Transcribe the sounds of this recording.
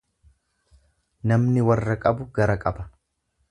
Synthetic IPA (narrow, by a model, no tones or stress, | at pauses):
nɐmnɪwɐrːɐkʼɐbʊɡɐɾɐkʼɐbɐ̥